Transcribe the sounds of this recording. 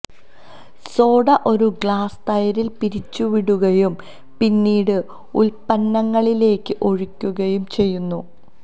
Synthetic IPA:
so̞ːɽɐʔo̞ɾuɡɭaːst̪ɐjɐɾilpiɾit͡ɕːuʋiɽuɣɐjum | pinːiːɽɨ | ulpɐnːɐŋːɐɭile̞ːkːɨʔo̞ɻikʲːuɣɐjumt͡ɕe̞jːunːu

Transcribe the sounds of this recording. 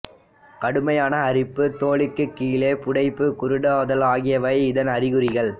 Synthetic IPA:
kɐɽɯmɐjaːnɐːrɪpːɯt̪oːɭɪkːɯkːiːleːpʊɽɐɪpːɯkʊɾɪɽɐðɐlaːɣɪjɐʋɐɪɪðɐnɐrɪɣɯɾɪɣɐɭ

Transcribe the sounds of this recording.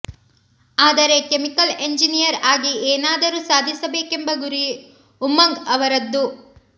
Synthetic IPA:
aːd̪ɐɾe̞kemikɐle̞ɲd͡ʒinijɐɾaːɡieːnaːd̪ɐɾuːsaːd̪ʱisɐbe̞ːke̞mbɐɡuɾi | umɐŋɡɐʋɐɾɐd̪ːu

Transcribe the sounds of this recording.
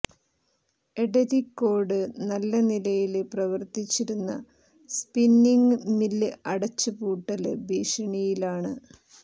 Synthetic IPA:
eɽɐɾikːo̞ːrɖɨnɐlːɐnilɐjilprɐʋɐrt̪it͡ɕːiɾunːɐ | spinːiŋɡɨnilːɨʔɐɽɐt͡ɕːɨpuːʈːɐlɨbiːʂɐɳijilaːɳɨ

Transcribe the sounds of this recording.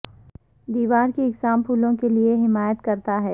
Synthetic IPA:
d̪iːʋaːɾkiɪɡsaːmpʰuːlõkelieɦɪmaːjət̪kɐɾt̪aɦɛː

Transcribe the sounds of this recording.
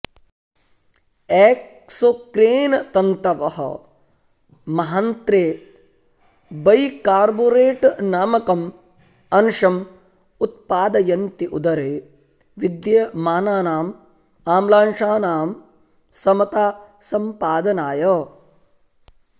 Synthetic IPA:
ɛːk | sokɾeːnɐt̪ɐnt̪ɐʋɐɦɐ̰ | mɐɦɐnt̪ɾeː | bɐjkaːɾboːɾeːʈnaːmɐkɐm | ɐnʃɐm | ut̪̚paːd̪ɐjɐnt̪iʔud̪ɐɾeː | ʋid̪jɐmaːnaːnaːm | aːmlaːnʂaːnaːm | sɐmɐt̪aːsɐmpaːd̪ɐnaːjɐ

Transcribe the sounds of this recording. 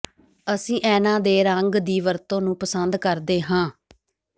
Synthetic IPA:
əsĩːʔɛːnãːd̪eːɾəŋɡd̪iːʋəɾt̪õːnũːpəsənd̪kəɾd̪eːɦãː

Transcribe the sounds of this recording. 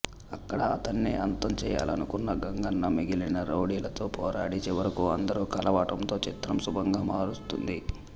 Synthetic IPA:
ɐkːɐɽɐːt̪ɐnːiʔɐnt̪ɐmt͡ʃɛːja̰ːlɐ̰nukunːɐɡɐŋɡɐnːɐmiɡilɐnɐɾɐwɽiːlɐt̪o̞ːpɔːɾaːɽit͡ʃeːʋɐɾɐkuɐnd̪ɐɾukɐlɐʋaːʈɐmt̪o̞ːt͡ʃit̪ɾɐmsubʱɐŋɡaːmaːɾust̪ṵnd̪i

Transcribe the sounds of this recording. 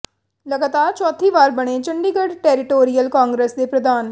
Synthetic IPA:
ləɡaːt̪aːɾt͡ʃɔːt̪ʰiːʋaːɾbəɽ̃eːt͡ʃəɳɖiːɡəɖʈɛːɾɪʈoːɾijəlkaːŋɡɾəsd̪eːpɾəd̪aːn

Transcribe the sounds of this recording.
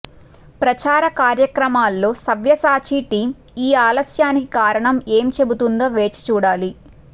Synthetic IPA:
pɾɐt͡ʃaːɾɐkaːɾjɐkɾɐmaːlːo̞ːsɐʋjɐsaːt͡ʃiʈiːm | iːaːlɐsjaːnikikaːɾɐɳɐmeːmt͡ʃe̞but̪und̪o̞ːʋe̞ːt͡ʃi̥t͡ʃuːɽaːli

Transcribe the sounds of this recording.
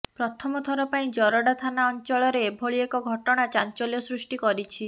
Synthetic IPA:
pɾɔt̪ʰɔmɔt̪ʰɔɾɔpaĩd͡ʒɔɾɔɽat̪ʰanaɔnt͡ʃɔɭɔɾebʱoɭiekɔɡʱɔʈɔɽ̃at͡ʃant͡ʃɔljɔsɾusʈikɔɾit͡ʃʰi

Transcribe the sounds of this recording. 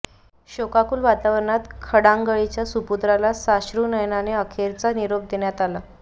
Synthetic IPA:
ɕokakuːlʋat̪aʋəɾɳat̪kʰəɽaŋɡəɭit͡ɕjasuput̪ɾalasaɕɾuːnəjnaneəkʰeɾt͡saniɾob̚d̪eɳjat̪ala

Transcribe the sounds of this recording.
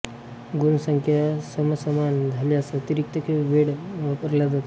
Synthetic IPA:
ɡunəsəŋkʰjasəməsəmand͡zʱaliasət̪iɾik̚t̪əkʰeʋeɽʋapəɾlad̪ʱat̪

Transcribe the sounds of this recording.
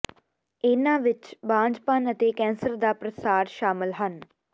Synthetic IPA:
eːnãːʋɪt͡ʃbãːd͡ʒpaːnət̪eːkɛ̃ːnsəɾd̪aːpɾəsaːɾʃaːmɪlɦən

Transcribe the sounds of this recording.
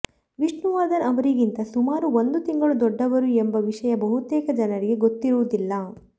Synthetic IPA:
ʋiʂɳuʋaːɾd̪ɐnɐʋɐɾiɡint̪ɐsumaːɾuond̪ut̪iŋɡɐɭud̪ɔɖːɐʋɐɾuembɐʋiʂɐjɐbɐɦut̪ɛːkɐd͡ʒɐnɐɾiɡe̞ɡot̪ːiɾuʋud̪ilːɐ

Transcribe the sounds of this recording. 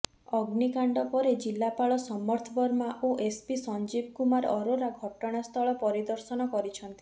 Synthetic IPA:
ɔɡnikaɳɖɔpɔɾed͡ʒilːapaɭɔsɔmːɔɾt̪ʰɔbɔɾmaʔoʔespisɔnd͡ʒibkumaɾɔɾoɾaɡʱɔʈɔɽ̃ast̪ʰɔɭɔpɔɾid̪ɔɾsɔnɔkɔɾit͡ʃʰɔnt̪i̥

